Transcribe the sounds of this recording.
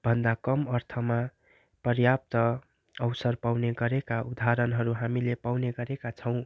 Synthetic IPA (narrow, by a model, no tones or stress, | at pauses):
b̥ʱʌnd̪akʌmʌrt̪ʰʌma | pʌrjap̚t̪ʌ | ʌwsʌrpawneɡʌɾekaud̪ʱaɾʌnɦʌɾuɦamilepawneɡʌɾekat͡sʰʌw̃